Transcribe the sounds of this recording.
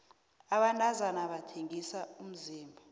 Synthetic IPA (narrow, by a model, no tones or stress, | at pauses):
aɓantʼazanaɓatʰeŋisaum̩ziːmbʱa